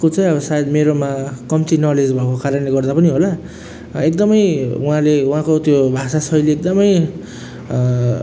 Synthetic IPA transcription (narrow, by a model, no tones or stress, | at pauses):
kot͡sʌj̃ʌbʌsajed̪meɾomakʌmt̪inʌled͡zbʱʌkokaɾʌnleɡʌrd̪apʌniɦola | ek̚d̪ʌmʌjuãleuɦãkot̪jobʱasasʌjleek̚d̪ʌmʌj